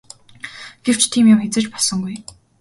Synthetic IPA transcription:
ɡ̥ew̥t͡ɕt̪ʰiːmjʊmxet͡sɘ̆t͡ɕpɔɮsɞ̆ŋɡuj

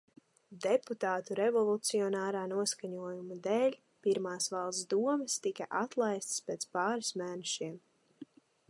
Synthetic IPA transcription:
d̪ɛput̪aːt̪uɾɛvɔlˠut̪siɔnaːɾaːnuɔskaɲuɔjumud̪ɛːlʲ | piɾmaːsvɑlˠsd̪uɔmɨst̪ikaʔat̪lˠajst̪speːt̪spaːɾismæːnɛʃiɛm

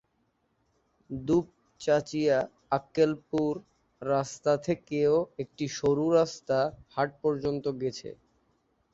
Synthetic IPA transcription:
d̪up̚ | t͡ɕat͡ɕija | akːelpuɾː | ast̪at̪ʰekeoek̚ʈiʃoɾuɾast̪ahaʈ̚pɔɾd͡ʑont̪oɡet͡ɕʰḛ

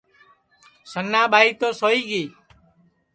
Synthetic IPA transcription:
sənːaːɓʱaːiːt̪oːsoːiːɡiː

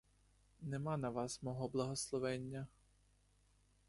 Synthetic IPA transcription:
nɛmɑnɐʋɑsmɔɦɔblˠɐɦɔslˠɔʋɛnʲːɐ

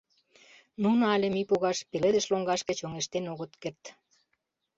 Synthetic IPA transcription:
nunoɑlʲĕmipuɣɑʃpeled̪ə̆ʃloŋɡɑʃkə̆t͡ɕoŋeʃt̪enoɣə̆t̪kert̪

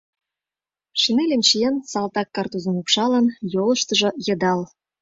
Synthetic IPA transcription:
ʃinelʲĕmt͡ɕijensɑlt̪ɑkːɑrt̪uzə̆mupʃɑlə̆njolə̆ʃt̪ə̆ʒɤ̆jɤ̆d̪ɑl

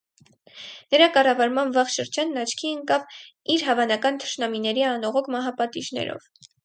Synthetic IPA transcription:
nəɾɑkɑrɑvɑɾmɑnvɑχʃəɾd͡ʒɑnːɑt͡ʃʰkʰiəŋkɑv | iɾɦɑvɑnɑkɑnt̪ʰə̥ʃnɑminɛɾiɑnɔʁɔkʰmɑɦɑpɑt̪iʒnɛ̰ɾɔ̰v

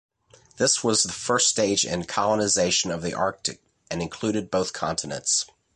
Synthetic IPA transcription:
ðɪswʌzðəfɜ˞ststeɪd͡ʒɪ̰̃nkʰɑlˠənɨzeɪʃɨ̃nʌvðiʔɑɹk̚tɨ̰k̚ | ɨ̃nɨ̃nkʰl̥ʉɾɨd̚boʊθkʰɑ̃ntʰɨnɨ̰̃nts

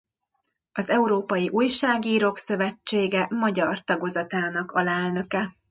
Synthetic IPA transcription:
ɒzɛuɾoːpɒjiʔuːjʃaːɡiːɾoːksø̞vɛt͡ʃːeːɡɛmɒɟɒrt̪ɒɡo̞zɒt̪aːnɒkɒlɛlnø̞kɛ

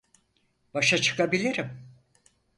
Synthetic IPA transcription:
b̥aʃat͡ʃʰɯ̥kabilʲiɾim

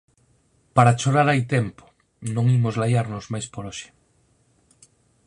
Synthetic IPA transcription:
paɾat͡ʃoɾaɾajt̪ɛmpo̥ | nõŋimozlajaɾnozmajspoɾɔʃɪ̥

